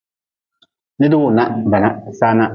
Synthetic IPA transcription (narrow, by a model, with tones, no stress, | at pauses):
nɪ˦dɪ˦wʊ˦˨na˦bɛ˨na˦˨sa˦na˦